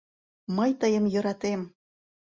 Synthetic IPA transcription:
məjt̪əjə̆mjɤ̆ɾɑt̪em

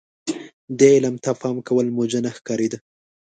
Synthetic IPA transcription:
d̪eɪlamt̪afɑmkawəlmod͡ʒanaxkɑɾed̪a

